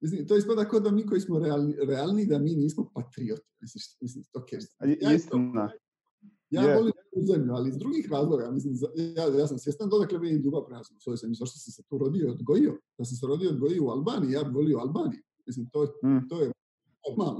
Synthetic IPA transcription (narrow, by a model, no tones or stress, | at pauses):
mis̬limt̪ojeist̪pat̪akod̪amiːko̞jismoɾealniɾealnid̪amiːniːsmopat̪ɾiot̪u̥mislimislimst̪okeiiaːa | jaːʋo̞limekuzemʎualiːzd̪ɾuɡiːxɾaːzlˠoɡamis̬limzajaːjaːs̬amsʋjest̪and̪od̪aklemeneid̪uɡapɾenasmusojisemjʲuzaʃt̪osamset̪uːɾo̞d̪ijojod̪ɡo̞jiod̪̥as̬ams̬eɾo̞d̪ijood̪ɡo̞jijoualˠbaːnijijaːbiʋo̞lijoalˠbaːniju | mis̬limt̪oːt̪oːje | nomaːlno